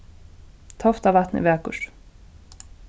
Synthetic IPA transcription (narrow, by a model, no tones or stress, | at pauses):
t̪ʰɔft̪avat̪nɪ̰vɛːkʊ̰ɾ